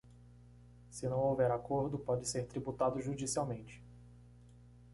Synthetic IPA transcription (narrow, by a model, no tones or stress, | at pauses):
sɪnɐ̃w̃owvɛɾakoɾd̪ʊpɔd͡ʒɪseɾt̪ɾibut̪ad̪ʊʒud͡ʒisiawmẽnt͡ʃɪ̥